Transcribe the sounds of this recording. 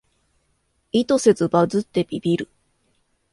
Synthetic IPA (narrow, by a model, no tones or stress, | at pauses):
it̪o̞se̞zɨbazɨt̪ːe̞bʲibʲiɾɯ̟